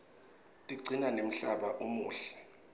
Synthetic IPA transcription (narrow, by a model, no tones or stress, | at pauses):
tʼiɡ͡ǀʱinanem̩ɬaɓaʔumuːɬɛ̥